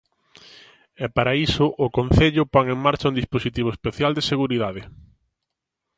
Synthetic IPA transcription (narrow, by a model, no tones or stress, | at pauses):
ɛpaɾaisʊʔʊkon̟θeʎʊpoŋeŋmaɾt͡ʃɐũnd̪isposit̪iβ̞oespeθjald̪eseɣuɾiðaðɪ